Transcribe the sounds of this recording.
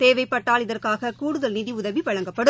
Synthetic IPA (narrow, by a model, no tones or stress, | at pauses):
t̪eːʋɐɪpːɐʈːaːlɪðɐrkaːɣɐkuːɽɯðɐlniðiʊðɐʋiʋɐɻɐŋɡɐpːɐɽɯ